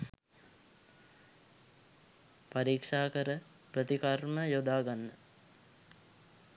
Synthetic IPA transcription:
paɾiːkʂaːkəɾə | prət̪ikarməjod̪aːɡanːə

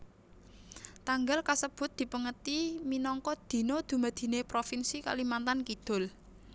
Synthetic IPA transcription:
t̪aŋɡalkasəb̥ʊ̤t̪̚d̪̥i̤pəŋət̪iminɔŋkɔd̪̥i̤nod̪̥ṳmad̪̥i̤nepɾofinsika̰limant̪ankid̪̥ʊ̤l

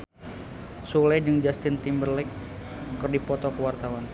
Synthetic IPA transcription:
sulɛd͡ʒɨŋd͡ʒast̪ɪnt̪imbərlɛk̚kərdipɔt̪ɔkəwart̪awan

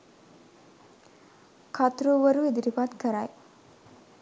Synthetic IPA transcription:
kʰat̪ɾuʋəɾued̪iɾipat̪kəɾaj

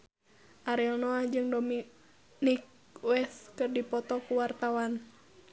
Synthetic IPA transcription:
ʔaɾɛlnɔad͡ʒɨŋdomi | nik̚ | wɛskɨrdipɔt̪ɔkuwart̪awan

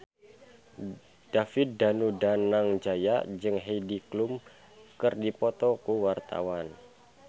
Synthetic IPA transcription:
d̥afɪt̪̚danudanaŋd͡ʒajad͡ʒɨŋɦejdiklum | kɨrdipɔt̪ɔkuwart̪a̰wan

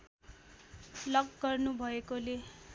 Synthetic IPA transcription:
lʌɡɡʌrnubʱʌekole

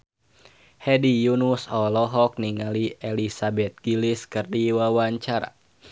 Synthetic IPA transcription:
hɛdijunusɔlɔɦɔk̚niŋaliʔelisabɛt̪̚ɡ̥iliskɨrdiwawaɲt͡ʃaɾa̰

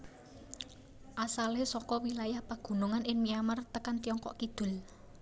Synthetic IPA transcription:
ʔasalesɔkɔwilajahpaɡ̥ṳnuŋanʔɪŋmiamart̪əkant̪iɔŋkɔ̰ʔkid̪̥ʊ̤l

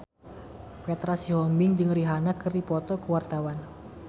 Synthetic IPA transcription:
pɛt̪ɾasiɦɔmbɪŋd͡ʒɨŋriɦanakərdipɔt̪ɔkəwart̪awan

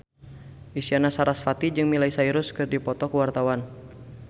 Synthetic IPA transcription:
ʔisianasaɾasfat̪id͡ʒɨŋmilaisaiɾʊskɨrdipɔt̪ɔkəwart̪awan

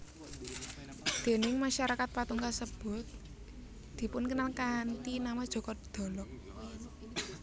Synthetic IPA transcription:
d̪̥e̤nɪŋmaʃaɾakat̪̚pat̪uŋkasəb̥ʊ̤t̪̚ | d̪̥i̤pʊnkənalkaːnt̪inamḁʒ̥ɔ̤kɔd̪d̪̥ɔ̤lɔk

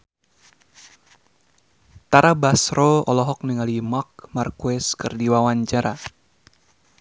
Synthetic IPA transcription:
t̪aɾabasɾoɔlɔɦɔk̚niŋalimak̚markuɛskɨrdiwawaɲt͡ʃaɾʔa

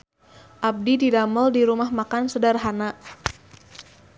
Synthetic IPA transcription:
ʔab̚dididaməldiɾumahmakansədarɦanaʔ

